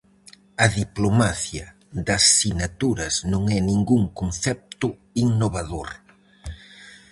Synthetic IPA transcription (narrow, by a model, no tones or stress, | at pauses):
ɐðiplomaθjɐ | ðɐsːinat̪uɾɐsnõŋɛnĩŋɡuŋkonθɛp̚t̪ʊ | iŋnoβaðoɾ